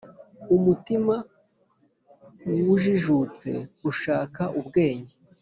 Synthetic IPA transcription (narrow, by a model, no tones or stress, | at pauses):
umutima | wiwuʒiʒut͡se̞̰uʃaːkaʔubɡe̞ːɲe